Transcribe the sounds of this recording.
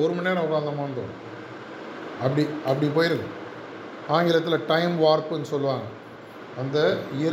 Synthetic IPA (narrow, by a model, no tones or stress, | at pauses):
ɔɾɯmɐnːeːɾɐ̃ʊkaːnd̪ɐmaːɳɖõ̰ː | ɐpːɐɽiʔɐpːɐɽip̬oːjɪɾɯðɯ | aːŋɡɪlɐt̪ːɪlɐʈɐɪmʋaːɾpɯɛnːɯsɔlːɯʋãː | ɐnd̪ɐɪjɐ